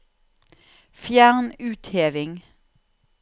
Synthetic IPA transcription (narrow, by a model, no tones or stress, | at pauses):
fjæːʁnʉːt̪heːʋɪŋ